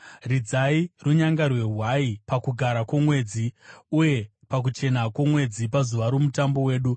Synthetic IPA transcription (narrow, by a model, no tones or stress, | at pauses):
rid͡zairuɲaŋɡarwe̞ɦwaipakuɡʱaɾakwomwe̞d͡ziuje̞ | pak̬ut͡ʃe̞nakwomwe̞d͡zipazuʋaɾomutambo̞we̞ːɗu